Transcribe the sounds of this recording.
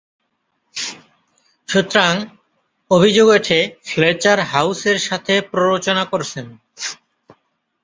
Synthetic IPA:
ʃut̪ːɾaŋ | obʱid͡ʑoɡeʈʰeflet͡ɕaɾɦawseɾʃat̪ʰepɾoɾot͡ɕonakoɾt͡ɕʰen

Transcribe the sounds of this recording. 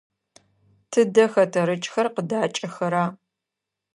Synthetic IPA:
tʰɨdɐxɐtʰɐɾɨt͡ʃʼxɐrqədaːt͡ʃʼɐxɐɾaː

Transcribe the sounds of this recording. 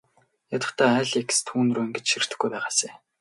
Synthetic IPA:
jat̪ə̆χt̪ʰæːæːɮekst̪ʰuːnruːiŋɡet͡ɕʃir̥t̪ɘ̆xɡujpæːʁaːseː

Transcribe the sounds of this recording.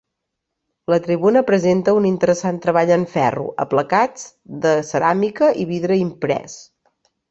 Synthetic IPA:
lət̪ɾiβunəpɾəzent̪əunint̪əɾəsant̪ɾəβaʎəɱfɛ̰rṵʔə̰pləkad͡z | d̪əsəɾamikəʔiβiðɾəimpɾɛ̰s

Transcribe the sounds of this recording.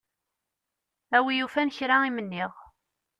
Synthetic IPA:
æwijufænçɾaimənːiʁ

